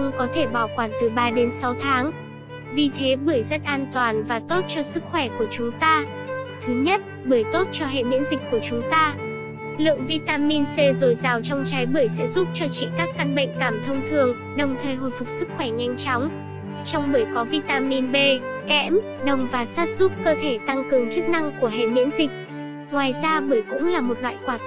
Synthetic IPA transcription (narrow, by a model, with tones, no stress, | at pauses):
ŋ͡mkɔ˨˦t̪ʰe˧˩ɓaː˧˩wkwaː˧˩nt̪ɨ˨˩ɓaː˧ɗe˨˦nsa˨˦wt̪ʰaː˨˦ŋ | vi˨˩t̪ʰe˨˦ɓɨː˧˩jzə˦˥t̚ʔaː˧nt̪waː˨˩nvaː˨˩t̪o˦˥t̚t͡ɕɔ˧sɨ˦˥k̚xwɛ˧˩ku˧˩ət͡ɕʊ˨˦ŋ͡mt̪aː˧ | t̪ʰɨ˨˦ɲə˦˥t̚ | ɓəː˧˩jt̪o˦˥t̚t͡ɕɔ˧ɦɛ̰˧˨ɓḭ˧˥ənzï˨˩k̟ku˧˩ət͡ɕʊ˨˦ŋ͡mt̪aː˧ | lɨ̰˧˨əŋvi˧t̪aː˧mi˧nse˧zo˨˩jzaː˨˩wt͡ɕɔ˧wŋ͡mt͡ɕa˨˦jɓɨː˧˩əjsɛ̰˧˥zu˦˥p̚t͡ɕɔ˧t͡ɕḭ˧˨kaː˦˥kːa˧nɓə̰˧˨jŋ̟kaː˧˩mt̪ʰə˧wŋ͡mt̪ʰɨ˨˩əŋ | ɗə˨˩wŋ͡mt̪ʰəː˨˩jɦo̰˧˨jfʊ˨˩k͡p̚sɨ˦˥k̚xwɛ˧˩ɲa˧jŋ̟t͡ɕɔ˨˦wŋ͡m | t͡ɕɔ˧wŋ͡mɓəː˧˩əjkɔ˨˦vi˧t̪aː˧mi˧nɓe˧kɛ̰˧˥m | ɗə˨˩wŋ͡mvaː˨˩saː˦˥t̚z̥u˦˥p̚kəː˧t̪ʰe˧˩t̪a˧ŋkɨ˨˩əŋt͡ɕɨ˦˥k̚na˧ŋku˧˩əɦḛ˧˨mḭ˧˥ənzï˨˩k̟̚ | ŋwaː˨˩jzaː˧ɓəː˧˩jkʊ̰˧˥ŋ͡mlaː˨˩mo˨˩t̚lwa̰ː˧˨jkwaː˨˧˩t̪